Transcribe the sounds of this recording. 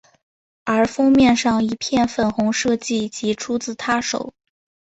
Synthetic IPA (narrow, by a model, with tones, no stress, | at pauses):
ə˞˧˥fɤ˥ŋmjɛ˥˧nʂɑ˥˩ŋi˧˥pʰjɛ˥˩nfə˥˩nxʊ˧˥ŋʂɤ˥˧t͡ɕi˥˩t͡ɕi˧˥ʈ͡ʂʰu˥t͡sɹ̩˥˩t̪ʰa˥ʂo̰˨˩˦ʊ